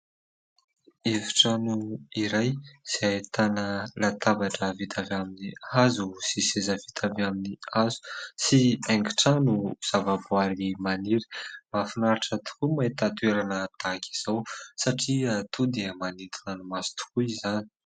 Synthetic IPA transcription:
eviʈ͡ʂanuiɾajz̥at̪anəlat̪abaʈ͡ʂəvit̪ʰavaminiazusisezəvit̪ʰavaminiazu̥siaŋɡiʈ͡ʂanuz̥avabuaɾimaniɾi̥mafinaɾaʈ͡ʂət̪u̥kumait̪at̪uweɾanət̪aki̥z̥awsaʈ͡ʂiat̪ʰud̪emanit̪ʰinanumasi̥t̪u̥kuizani̥

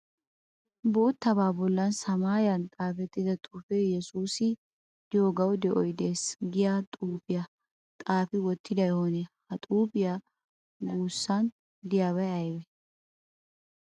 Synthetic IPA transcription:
boːt̪ːɐbaːbɔlːɐnsɐmaːjɐnt̪ʼaːfɛt̪ːɪd̪ɐt̪ʼuːfɛjɛsuːsɪ | d̪ɪjoɡɐwd̪ɛʔɔjd̪e̞ːsɡɪjat̪ʼuːpɪja | t̪ʼaːfɪwɔt̪ʰːɪd̪ɐjhoːnɛhɐt̪ʼuːpɪja | ɡuːsːɐn | d̪ɪjaːβɐjɐjwɛ

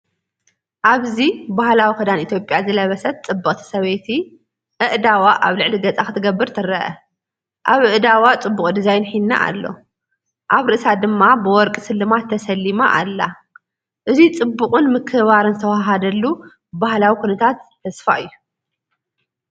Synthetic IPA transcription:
ʔaβzibahlawikʰɐd̪anit̪ʰjo̞pʼjazɨlɐβɐsɐt̪̚t͡sʼɨbːɐkʼt̪ʰi̥sɐβet̪ʰi | ʔɨʔd̪awaʔaβlɨʕliɡɐt͡sʼaxɨt̪ʰɨɡɐbːɨɾt̪ʰɨɾɐʔɐ | ʔaβɨʔd̪awat͡sʼɨbːukʼd̪izajnħinːa̰ʔa̰lːo̞̰ | ʔaβɾɨʔɨsad̪ɨmːabɨwɔɾkʼisɨlːɨmat̪ʰːɐsɐlːimaʔa̰lːa | ʔɨzit͡sʼɨbːuχʼɨnmɨkʰːɨβaɾɨnzɨt̪ʰɐwaɦad̪ɐlːu | bahlawikʰunɐt̪ʰat̪ʰːɐsfa̰ʔɨjːu

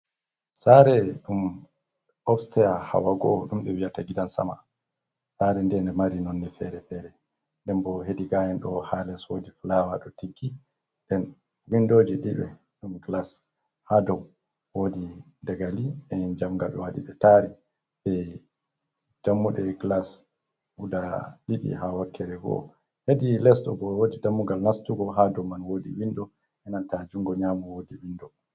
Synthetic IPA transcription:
saɾɛɗum | ɔfstɛjaha̰waɡɔɗumɗɛwiataɡidansa̰ma̰ | saɾɛndɛndɛmaɾinonːifɛɾɛfɛɾɛ | ndɛmbɔɦediɡajɛnɗɔhalɛswodiflawaɗɔtiɡːi | dɛn | windod͡ʒiɗiɓɛ̰ | ɗumɡlas | hadɔ | wodi | daɡaliɛind͡ʒamɡaɓɛ̰waɗḭɓɛtaɾi | bɛ | d͡ʒamːuɗɛɡlas | udaɗiɗḭɦawakʰːɛɾɛɡɔ̰ | hedilɛsɗɔ̰bɔwodidamːuɡalnastuɡɔɦadɔmːanwodḭwinɗɔ | ʔɛnantad͡ʒuŋɡɔɲaːmɔwodiwindɔ

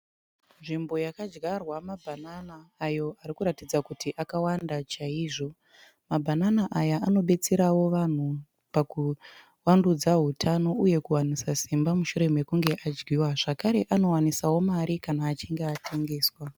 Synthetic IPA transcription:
nʐimbo̞jakad͡ʒɡarwamabʱananaːjo̞aɾikuɾatid͡zakutiʔakawandat͡ʃaiːʐo̞ | mabʱananaʔajaʔano̞ɓe̞t͡seɾawo̞ʋan̤u | paku | wandud͡zaɦutʰano̞uje̞kuwanisasimbamuʃuɾe̞me̞kuŋɡe̞ʔad͡ʒɡiwaʐ̥akaɾe̞ʔano̞wanisawo̞maɾikanaːt͡ʃiŋɡeatʰe̞ŋɡe̞ːswa

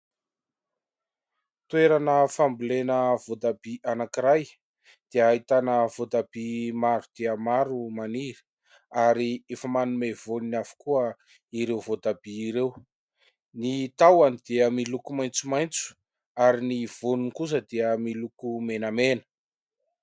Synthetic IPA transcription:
t̪weɾanəfambulenəvod̪abiʔanakiɾaj | d̪̥eəait̪anəvod̪abimaɾud̪̥eəmaɾumaniɾi̥ | aɾiefəmanumevoninafu̥kuə | iɾewvot̪abiːɾew | nit̪awanid̪eəmilukumajnt͡sumajnt͡su̥ | aɾiniv̥onunikus̬əd̪iəmilukumenəmenə̥

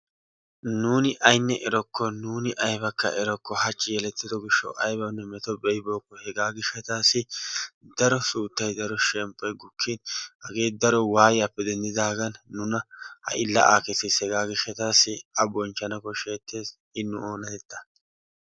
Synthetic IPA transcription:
nuːnɪʔɐjnːɛʔɛɾɔkʰːɔnuːnɪʔɐjbɐkːɐ̰ʔɛɾɔkːɔhɐt͡ʃʼːɪjɛlɛt̪ːɪd̪ɔɡɪʃːɔ̰wʔɐjbɐnːɛmɛt̪ɔbɛjɪbo̞ːkːɔhɛɡaːɡɪʃːɐt̪aːsɪd̪ɐɾɔsuːt̪ːɐjd̪ɐɾɔʃɛmpʼːɔjɡʊkʰːinhɐɡe̞ːd̪ɐɾɔwaːjjɐpːɛd̪ɛnd̪ɪd̪aːɡɐnːʊnɐhɐ̰ʔɪlːɐ̰ʔa̰ːkɛt̪ːɪshɛɡaːɡɪʃːɐt̪aːsɪɐbɔnt͡ʃːɐnɐkɔʃeːt̪ːeːs | ɪnːʊoːnɐt̪ɛt̪ːɐ̥

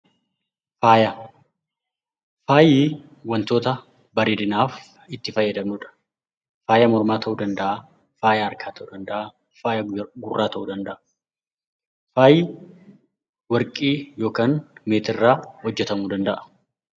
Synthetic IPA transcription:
faːjɐ | faːjiː | wɐnt̪o̞ːt̪ɐ | bɐɾeːd̪ɪnaːf | ɪt̪ːɪfɐjːɐd̪ɐmnuːᶑɐ̥ | faːjɐmɔɾmaːt̪ɐʔuːd̪ɐnd̪ɐʔa | faːjɐɐɾkʰaːt̪ʰɐʔuːd̪ɐnd̪ɐʔa | faːjɐɡʊrːaːt̪ɐʔuːd̪ɐnd̪ɐʔɐ̥ | faːjiː | wɐɾkʼiːjo̞ːkaːnmeːt̪ɪrːaːhɔd͡ʒːɛt̪ɐmuːd̪ɐnd̪ɐʔɐ̥

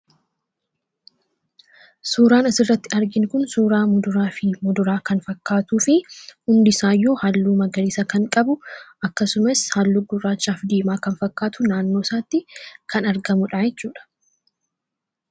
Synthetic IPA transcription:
suːɾaːnɐsɪrːɐt̪ːɪɐɾɡɪŋkʊnsuːɾaːmʊd̪ʊɾaːfɪmʊd̪ʊɾaːkɐnfɐkːaːt̪uːfɪhʊnd̪ɪsaːjːuːhɐlːuːmɐɡɐɾɪːsɐkɐŋkʼɐbʊʔɐkːɐsʊmɐshalːuːɡʊrːaːt͡ʃːaːfd̪eːmaːkɐnfɐkːaːt̪ʊnaːnːo̞ːsaːt̪ːɪkʰɐnɐɾɡɐmʊᶑaːjɛt͡ʃːuːᶑɐ̥

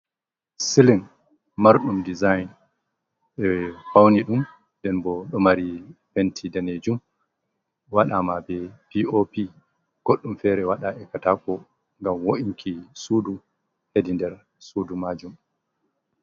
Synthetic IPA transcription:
siliŋ | maɾɗumdizajn | ɛfawniɗum | dɛnbɔɗɔmaɾifentʰidaned͡ʒum | waɗamabɛpiopi | ɡ̥oɗːumfɛɾɛwaɗaʔɛkatakɔ | ŋɡamwoʔiŋkʰisuːdu | hedindɛɾ | sudumad͡ʒum

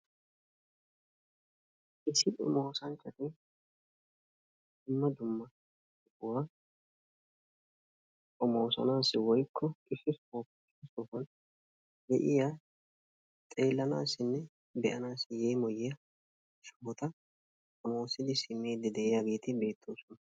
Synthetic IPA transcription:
ʔɪsːɪd̪ʊ̰moːsɐnt͡ʃːɐt̪ɪ | d̪̥ʊmːɐd̪ʊmːɐ | ʊfʊwa | kʼɔmoːsɐ̰naːsɪwɔjkʰːɔɪsɪsfɔ | ɪsɪsɔfɐn | d̪ɛʔɪjaː | t̪ʼe̞ːlːɐnaːsɪnːɛ | bɛʔɐnaːsɪjeːmɔjɛjɐ | ʃɐɔt̪ɐ | kʼɔmo̞ːsɪd̪ɪsɪmːe̞ːd̪ːɪd̪ɛʔɪjaɡeːt̪ɪbe̞ːt̪ʰːoːsɔnɐ

